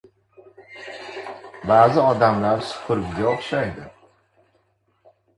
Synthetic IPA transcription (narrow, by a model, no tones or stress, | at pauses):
baːzɪɒd̪amlaɾsʊ̥pʰʊɾbɡʲaoχʃajd̪ɪ